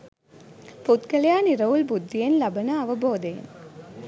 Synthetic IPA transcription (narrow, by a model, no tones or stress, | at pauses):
pʊt̪kɐljaːnɪɾɐʋʊlbʊd̪ːɪjɐnlɐbɐnɐɐʋɐboːd̪ɐjɐ̰n